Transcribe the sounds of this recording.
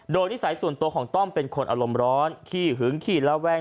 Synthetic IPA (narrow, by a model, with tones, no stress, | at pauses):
doː˧jniː˥˩saː˩˦jsu˨˩ənt̪u˧əkʰɔː˩˦ŋt̪ɔ˥˩mpe˧nkʰo˧nʔa̰˧ɾo˧mɾɔː˦˥nkʰiː˥˩ɦɯ˩˦ŋkʰiː˥˩lɛ˦˥wɛː˥˩